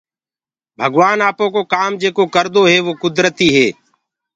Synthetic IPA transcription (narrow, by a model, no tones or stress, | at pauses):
bʱəɡʋaːnaːpõːkoːkaːmd͡ʒeːkoːkəɾd̪oːɦeːʋoːkʊd̪ɾət̪iːɦeː